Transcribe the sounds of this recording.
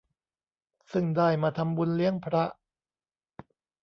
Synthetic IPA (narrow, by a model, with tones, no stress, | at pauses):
sɯ˥˩ŋdaː˥˩jmaː˧t̪ʰa˧mbu˧nli˦˥əŋpʰɾa˦˥ʔ